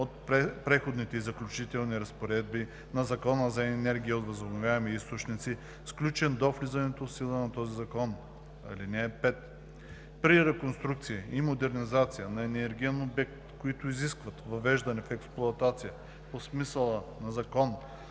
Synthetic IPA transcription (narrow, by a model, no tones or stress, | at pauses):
ot̪̚pɛpɾɛxod̪nit̪ɛizɐklʲut͡ʃit̪ɛlˠniɾɐspoɾɛd̪bi | nɐzɐkɔnəzɐɛnɛɾɡʲiiot̪vɐzobnovʲjaɛmiist̪ot͡ʃnit̪si | fsklʲut͡ʃɛnd̪oflizɐnɛt̪osilˠənɐt̪ɔzizɐkɔn | ɐ̰linɛːpɛt̪ | pɾiɾɛkonst̪ɾuk̚t̪siiimod̪ɛɾnizat̪sijənɐɛnɛɛɾɡʲiɛnobɛk̚t̪koit̪ʊiziskvɐt̪vɐvɛʒd̪ɐnɛfɛksplˠʊɐt̪at̪sijə | posmisəlˠənɐzɐkɔn